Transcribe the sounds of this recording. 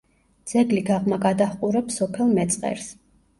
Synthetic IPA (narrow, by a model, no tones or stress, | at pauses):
d̪z̥ɛɡliɡaʁmaɡad̪aχqʼuɾɛpsɔpʰɛlˠmɛt̪sʼqʼɛ̰ɾs